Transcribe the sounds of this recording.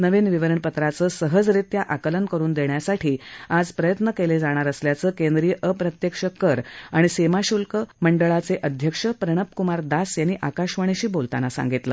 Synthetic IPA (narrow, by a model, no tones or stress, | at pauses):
nəʋenʋiʋəɾəɳpət̪ɾat͡səːsəɦəd͡zɾit̪jaʔakələnkəɾuːnd̪eɳjasaʈʰiːad͡zpɾəjət̪nəkeled͡zaɽ̃aɾəsljat͡səːkend̪ɾiːʔəpɾət̪jəkʂəkəɾaɽ̃isemaɕulkəməɳɖəɭat͡seʔəd̪ʱjəkʂəpɾəɽ̃əpkumaɾd̪asjanːiːʔakaɕʋəɽ̃iɕiːbolt̪a̰nasa̰ŋɡit̪lə̰